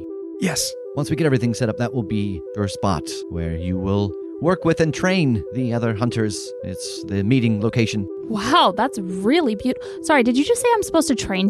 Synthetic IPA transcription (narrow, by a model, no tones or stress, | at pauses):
jɛs | wʌ̃nswiɡɛɾɛvɹiθɪ̃ŋsɛɾʌp̚ðəʔ̚wəlˠbijə˞spɑ̰t | wə̰˞jɨwɪlˠ | wɜ˞kwɪðɨ̃ntʰɹ̥ẽɪ̃nðiʌðə˞ɦʌ̃ntʰə˞z̥ | ɪ̰ts | ðɨmiɾɪ̃ŋloʊkʰeɪʃɨ̃n̩ | waʊðætsɹɪlˠibjʉt | sɑɹidɨd͡ʒɨd͡ʒʌstseɪãɪ̃msə̥poʊstʰɨtʰɹ̥ẽɪ̃n